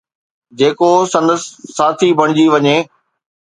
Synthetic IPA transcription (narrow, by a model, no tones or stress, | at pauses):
d͡ʑeːkosɐ̃nd̪əsːaːt̪ʰibʱɐɽ̃ɪd͡ʑiʋɐɲeː